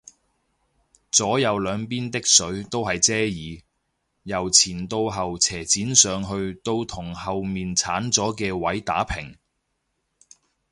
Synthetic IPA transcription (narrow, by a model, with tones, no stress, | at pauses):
t͡sɔː˨˥jɐ˨˧wlœː˨˧ŋpiː˥nt̪ɪ˥k̚sɵ˨˥ɥt̪o˥wɦɐ˨jt͡sɛː˥jiː˨˧ | jɐ˨˩wt͡sʰiː˨˩nt̪o˧wɦɐ˨wt͡sʰɛː˨˩t͡siː˨˥nsœː˨˧ŋɦɵ˧ɥt̪o˥˧wt̪ʰʊ˨˩ŋhɐ˨wmiː˨nt͡sʰaː˨˥nt͡sɔː˨˥kɛː˧wɐ˨˥jt̪aː˨˥pʰɪ˨˩ŋ